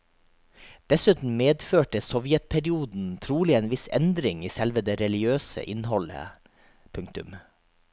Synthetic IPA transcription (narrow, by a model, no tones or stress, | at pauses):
d̪̥ɛsʉːt̪n̩meːd̪føːʈəsɔʋjɛt̪̚pʰɛɾɪuːd̪n̩t̪ʰɾuːlɪeːnʋɪsɛ̰nd̪ɾɪŋiːsɛlʋəd̪eːɾɛlɪɡøːsə̰ʔɪnhɔlə̰ | pʰʉŋk̚t̪ʉm